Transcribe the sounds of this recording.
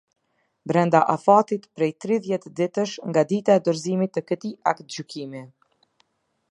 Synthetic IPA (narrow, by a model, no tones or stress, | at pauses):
bɾɛnd̪aʔafat̪it̪pɾɛjt̪ɾiðjɛt̪d̪it̪əʃŋɡad̪it̪aɛd̪ɔɾzimit̪ːəkət̪iakt̪̚d͡ʑykimi